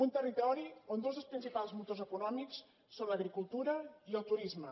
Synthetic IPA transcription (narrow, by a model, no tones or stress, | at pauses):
unt̪ərit̪ɔɾiond̪ozðəlˠspɾinsipalˠzmut̪ozəkunɔmiks | sonləɣɾikulˠt̪uɾəiəlˠt̪uɾizmə